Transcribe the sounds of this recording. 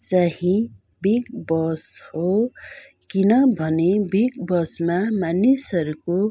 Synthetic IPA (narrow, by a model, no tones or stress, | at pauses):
t͡saɦĩ | bikbʌsho | kinʌbʱʌnebikbʌsmamanisʌɾuko